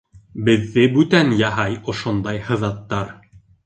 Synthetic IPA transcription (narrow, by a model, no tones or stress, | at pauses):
bɘ̆ðːɘbʉt̪ænjɑɦɑjŏʃond̪ɑjhɤ̆ðɑt̪ːɑɾ